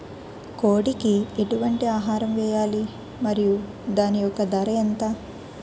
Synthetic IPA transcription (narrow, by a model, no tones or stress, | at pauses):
koːɽikieʈuʋɐɳʈiaːɦaːɾɐmʋɛːjaːli | mɐɾiju | d̪aːnijɔkɐd̪ɐɾɐjɐnt̪aː